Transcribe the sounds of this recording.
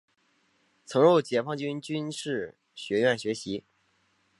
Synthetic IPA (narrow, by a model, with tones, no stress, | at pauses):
t͡sʰɤ˧˥ŋɻo˥˩ʊt͡ɕjɛ˨˥˩fʰɑ˥˧ŋt͡ɕy˥nt͡ɕy˥nʂɻ̩˥˩ | ɕɥɛ˧˥ɥɛ˥˩nɕɥɛ˧˥ɕi˧˥